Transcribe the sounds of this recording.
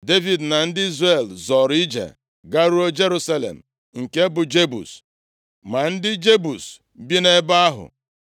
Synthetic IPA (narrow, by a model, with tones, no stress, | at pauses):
de˦vi˨dna˨n̩˦dɪ˦i˦zre˨lzɔ˨ɾi˦d͡ʒḛ˨ | ɡa˦ɾu˦o˦d͡ʒe˦ɾu˦sa˦lḛ˨m̩˨ | ŋ̩˨ke˦bʊ˨d͡ʒe˦bṵ˨s | ma˨n̩˦dɪ˦d͡ʒe˦bu˨s̩˨ | bi˦ne˦ba˦a˦ɦʊ̰˨